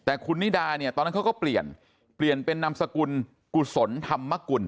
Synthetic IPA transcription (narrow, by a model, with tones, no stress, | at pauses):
t̪ɛː˨˩kʰu˧nːi˥˩daː˧ni˥˩t̪ɔː˧na˦˥kʰa˥kɔː˥˩pli˨˩ən | pli˨˩ənpe˧nːa˧msa˧ku˧n | ku˨˩so˩˦nt̪ʰa˧mːa˦˥˩ku˧n